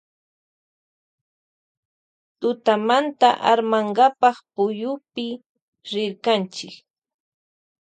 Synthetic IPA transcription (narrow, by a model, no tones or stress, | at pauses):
t̪ʊt̪amant̪aʔa̰ɾmaɴɢapɑχpʊjʊpɪ | ɾɪɾkant͡ʃɪk